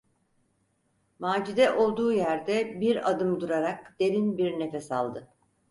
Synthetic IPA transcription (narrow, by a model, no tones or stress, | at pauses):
maːd͡ʒid̪ɛʔo̞lˠd̪uːjæɾd̪ɛbiɾad̪ɯmd̪uɾaɾakd̪̥e̞lʲinbiɾnefɛsa̰lˠd̪ɯ